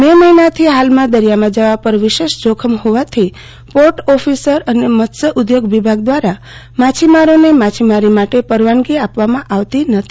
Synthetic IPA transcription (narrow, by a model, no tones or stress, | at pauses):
beməinat̪ʰiɦalmãd̪əɾijamãd͡ʒaʋapəɾʋiʃeʃd͡ʒokʰəmɦoʋat̪ʰi | poɾʈɔfisəɾənemət̪səʔʊd̪joɡʋibʱaɡ̚d̪ʋaɾa | mat͡ʃʰimaɾonemat͡ʃʰimaɾimaʈepəɾʋanɡiapʋamãʔaʋt̪inət̪ʰi̥